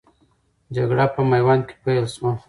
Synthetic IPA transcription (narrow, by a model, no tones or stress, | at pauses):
d͡ʒaɡɽapəmajwɑnke̥pajlswa